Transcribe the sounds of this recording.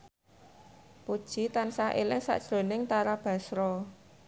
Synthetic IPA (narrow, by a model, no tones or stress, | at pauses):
pud̥ʒ̥i̤t̪ansaʔelɪŋsa̰ʔd̥ʒ̥ɾo̤nɪŋt̪aɾab̥a̤sɾɔ